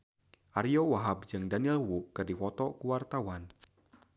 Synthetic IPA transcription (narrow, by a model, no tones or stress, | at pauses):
ʔaɾijɔwaɦab̚d͡ʒɨŋdanilwuʔkɨrdifɔt̪ɔkuwart̪awan